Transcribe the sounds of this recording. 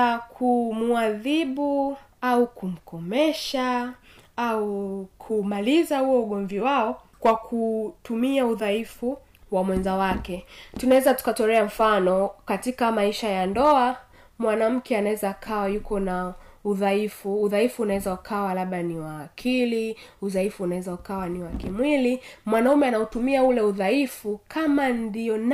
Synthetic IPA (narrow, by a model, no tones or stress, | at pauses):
kʰumuaðiɓu | aukum̩kʰɔmɛʃa | aukʰumalizahuwɔuɠɔmviwaɔkwakʰutumiauðaifu | wamwɛnzawakɛtunawɛzatu̥katɔɾɛam̩fanɔkatikamaiʃajandɔa | mwanam̩kɛanawɛzaːkʰawajukɔnauðaifuːðaifuːnawɛzaukʰawalaɓaniwaːkʰiliuðaifuːnawɛzaukawaniwakimwilimwanaumɛanautumiaulɛuðaifukʰamandiɔn